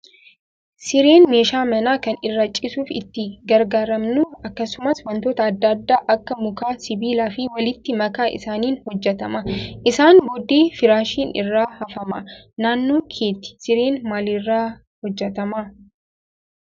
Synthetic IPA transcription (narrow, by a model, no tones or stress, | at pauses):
sɪɾeːnme̞ːʃaːmɐnaːkɐnɪrːɐt͡ʃʼːɪsuːfɪ̰t̪ːɪɡɐɾɡaːɾɐmnʊɐkːɐsʊmɐswɐnt̪oːt̪ɐːd̪ːɐːd̪ːaːʔɐkːɐmʊkaːsɪbiːlaːfɪwɐlɪt̪ːɪmɐkaːʔɪ̰saːniːnhɔd͡ʒːɛt̪ɐmɐʔɪsaːnboːd̪eːfɪɾaːʃiːnɪ̰rːaːhɐfɐmɐ̰naːnːo̞ːkʰeːt̪ɪ̥sɪɾeːnmaːlirːaː | hɔd͡ʒːɛt̪ɐma